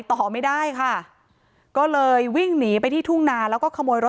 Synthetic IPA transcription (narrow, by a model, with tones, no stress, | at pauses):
jt̪ɔː˨˩ma˥˩jdaː˥˩jkʰa˥˩ | kɔː˥˩lɤː˧jwi˥˩ŋniː˩˦p̬a˧jt̪ʰiː˥˩t̪ʰu˥˩ŋnaː˧lɛː˦˥wkɔː˥˩kʰa˧moː˧jɾo˦˥